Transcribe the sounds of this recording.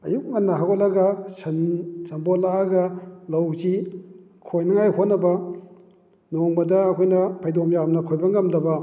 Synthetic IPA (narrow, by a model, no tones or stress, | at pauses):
ɐjuk̚ŋɐnːɐɦaɡot̚lɐɡɐsɐnsɐmbolaɡɐlɐwzi | kʰojnɐŋajhot̚nːɐbɐ | noŋbɐdɐɐkʰojnɐpʰajdomjamnɐkʰojbɐŋɐmdɐbɐ